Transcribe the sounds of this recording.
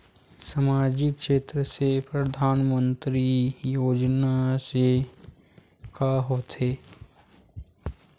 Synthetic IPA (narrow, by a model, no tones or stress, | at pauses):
səmaːd͡ʒɪkʃeːt̪ɾəsepɾəd̪ʱaːnmə̃nt̪ɾijoːd͡ʒnase | kaːɦoːt̪ʰeː